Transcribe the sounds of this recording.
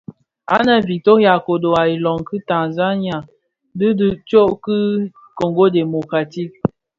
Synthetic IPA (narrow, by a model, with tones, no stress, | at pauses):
a̰˦na˦vi˨to˦ja˨ko˨do˨a˨i˨lɔ˨ŋki˦ta˨za˦ni˦a˨ | dɨ˦dɨ˦t͡ʃo˦ʔki˦ | ko˨ŋɡo˦de˨mo˨ka˨ti˦˨k̚